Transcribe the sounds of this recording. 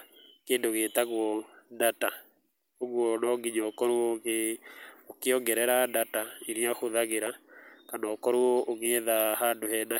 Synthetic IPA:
kendoɣet̪aɡwɔdata | oɡwɔnɔɡiɲɔkɔɾuoke | okɪɔɡɛɾɛɾadataiɾiaxoðaɡeɾakanɔkɔɾwooɡeðahadohɛna

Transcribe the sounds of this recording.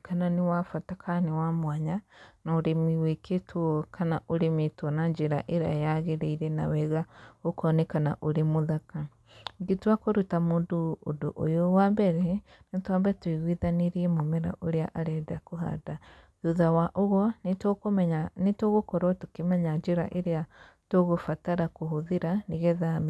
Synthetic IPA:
kananewafatakʰanewamwaɲanaoɾemiwekʰetʰwɔkʰanaʔoɾemetwɔnaɲd͡ʒeɾa̰ʔeɾa̰jaɣeɾeiɾɛna̰wɛɣaokɔnɛkana̰ʔoɾemoðaka | ɡetwakoɾutamoːndoo̰do̰ʔo̰jowambɛɾɛ | netwambɛtweɣwiðaneɾiɛmomɛɾa̰ʔoɾeaʔaɾɛdakoɦa̰da | ðuðawaʔoɣwɔnetokoɲanetoɣokɔɾɔtukemɛɲaɲd͡ʒeɾa̰ʔeɾea | toɣofataɾakoɦoðeɾaneɣɛðam

